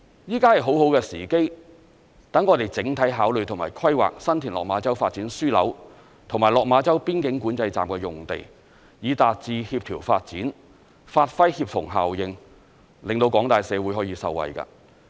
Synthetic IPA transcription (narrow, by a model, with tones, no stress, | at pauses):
jiː˥kaː˥hɐ˨jɦo˨˥who˨˥wkɛː˧siː˨˩ke˥j | t̪ɐ˨˥ŋɔː˨˧t̪e˨jt͡sɪ˨˥ŋt̪ʰɐ˨˥jɦaː˨˥wlɵ˨ɥt̪ʰʊ˨˩maː˨˩jkʰɐ˥jwa̰ː˨k̚sɐ˥nt̪ʰiː˨˩nlɔː˨k̚maː˨˧t͡sɐ˥wfaː˧t̚t͡siː˨˥nsyː˥lɐ̰˨˥w | t̪ʰʊ˨˩ŋmaː˨˩lɔː˨k̚maː˨˧t͡sɐ˥wpiː˥nkɪ˨˥ŋkuː˨˥nt͡sɐ˧jt͡sa̰ː˨mkɛː˧jʊ˨ŋt̪ḛ˨j | jiː˨˧t̪aː˨t̚t͡siː˧hiː˧p̚t̪ʰiː˨˩wfaː˧t̚t͡siː˨˥n | faː˧t̚fɐ˥jhiː˧p̚fʊ˨˩ŋɦa̰ː˨˩wjɪ˨ŋ | lɪ˨ŋt̪o˧wkɔː˨˥ŋt̪aː˨jsɛː˨˧wuː˨˥jhɔː˨˥jiː˧sɐ̰˨˧wːɐ̰˨jka̰ː˧˥